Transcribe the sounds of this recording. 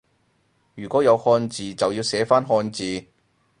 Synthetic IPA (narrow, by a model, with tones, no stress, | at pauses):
jyː˨˩kʷɔː˨˥jɐ˨˧whɔː˧nt͡siː˨˧t͡sɐ˨wjiː˧wsɛː˨˥faː˥nɦɔː˧nt͡siː˨˧